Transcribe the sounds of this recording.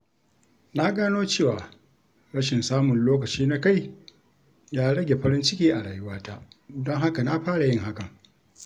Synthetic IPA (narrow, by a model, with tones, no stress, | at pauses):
na˦ɡaː˦noː˦t͡ʃeː˦˨waː˨ | ɽɐ˦ʃɪ˨nsaː˦mʊ˨nloː˦k̬ɐ˨t͡ʃiː˦na˦ka˦˨j | jaː˦ɽɐ˦ɡʲe˨ɸɐ˦ɾɪ˦nt͡ʃɪ˦kʲiː˦ʔa˨ɽaː˨jʊ˦waː˦ta˦ʔdɔ˦ŋɦa˦ka˨na˦ɸaː˦ɽa˨jɪ˦ŋɦa˦kɐ˨ŋ